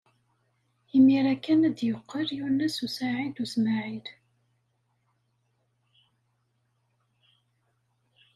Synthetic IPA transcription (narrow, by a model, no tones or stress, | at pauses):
imiɾækːænæd̪jəqːəɾjunæsusaʕid̪usmaʕil